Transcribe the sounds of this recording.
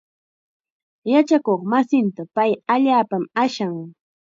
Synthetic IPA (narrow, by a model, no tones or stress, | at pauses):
jat͡ʃakoχmasɪnt̪apajaʎaːpamaʃaŋ